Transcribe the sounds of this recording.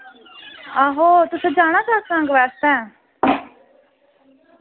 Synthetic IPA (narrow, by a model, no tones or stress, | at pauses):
aɦoːt̪ʊsẽːd͡ʒaːɽ̃ãːsaːksãŋɡʋɛːst̪ɛ̃ː